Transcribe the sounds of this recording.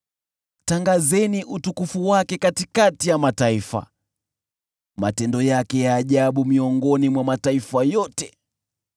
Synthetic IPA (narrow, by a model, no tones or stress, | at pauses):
taŋɡazɛniʔutukufuwakɛkatikatijamataifa̰ | matɛndɔjakɛjaːʄaɓumiɔŋɡɔnimwamataifajɔtɛ